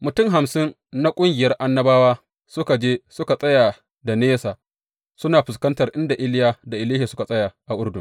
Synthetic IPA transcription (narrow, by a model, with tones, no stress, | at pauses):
mʊ˨tʊ˦mɦa˨msɪ˦nː | a˦kʷʼʊ˦ŋɡʲɪ˨jɐ˦rʔa˦nːɐ˦baː˦waː˦ | sʊ˦ka˨d͡ʒeː˦sʊ˦ka˨sʼɐ˦jaː˨ | da˨neː˦saː˨ | sʊ˦naː˨ɸɪ˨skɐ˦ntɐ˨rʔɪ˦nda˨ʔɪ˦ljaː˨da˨ʔɪ˨liː˦hi˨sʊ˦ka˨sʼɐ˦ja˨ʔa˨ʔʊ˦rdʊ̰˨n